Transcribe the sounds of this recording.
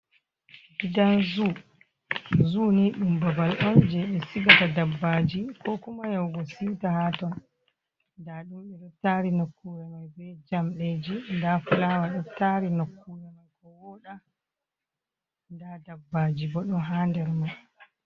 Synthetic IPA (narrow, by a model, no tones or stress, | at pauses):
bidanzu | zuniɗumbabalʔɔnd͡ʒɛɓɛsiɡatadabːad͡ʒikʰɔkumajawɡɔsiwtahatɔn | ndaɗumɓɛɗɔtaɾinokːuwɛmajbɛd͡ʒamɗed͡ʒindafulawaɗɔtaɾinokːuwɛmajkɔwɔɗa | ndadabːad͡ʒiɡɔɗɔnɦandɛɾmaj